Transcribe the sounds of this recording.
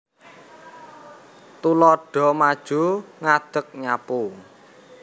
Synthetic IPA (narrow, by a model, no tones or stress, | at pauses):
t̪ulɔɖ̥ɔ̤mad̥ʒ̥o̤ŋad̪̥ə̤k̚ɲapu